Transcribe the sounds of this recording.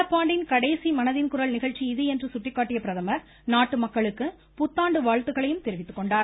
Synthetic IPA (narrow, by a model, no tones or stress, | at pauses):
ɐpːaːɳɖɪnkɐɽɐːsimɐnɐðɪnkʊɾɐlnɪɣɐɻt͡ʃːiɪðɯɛndrɯsʊʈrɪkːaːʈːɪjɐpɪɾɐðɐmɐ | naːʈːɯmɐkːɐɭɯkːɯ | pʊt̪ːaːɳɖɯʋaːɻt̪ɯɣɐɭɐjɯmt̪ɛɾɪʋɪt̪ːɯ̥kːɔɳɖaːɾ